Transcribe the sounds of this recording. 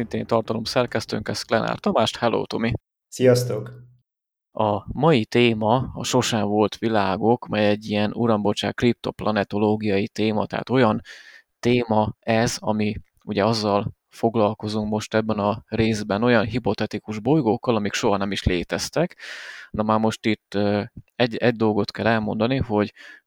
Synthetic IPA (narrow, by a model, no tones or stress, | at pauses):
sint̪eːnt̪ɒrt̪ɒlo̞msɛrkɛst̪ø̰ŋkɛsklɛnʔa̰ːrt̪ɒmaːʃt̪hɛlo̰ːt̪o̞mi | sijɒst̪ok | ɒmɒjit̪eːmɒɒʃo̞ʃɛɱvo̞lt̪ʋilaːɡo̞kmɛjɛɟːiɛnuɾɒmbot͡ʃa̰ːkːrip̚t̪o̞plʔɒnɛt̪o̞loːɡijɒjit̪eːmɒ̰t̪ɛ̰ɦa̰t̪o̞jɒnt̪eːmɒɛzɒmi | uɟɛɒzːɒl | fo̞ɡlɒlko̞zuŋkmo̞ʃt̪ɛbːɛnɒreːzbɛno̞jɒnɦipo̞t̪ɛt̪ikuʒbo̞jɡokːɒlɒmikʃo̞ɦɒnɛmiʃleːt̪ɛst̪ɛknɒmaːrmo̞ʃt̪it̪ːɛɟɛɟ̚d̪o̞lɡo̞t̪kɛlɛlmo̞nd̪ɒniɦo̞ɟ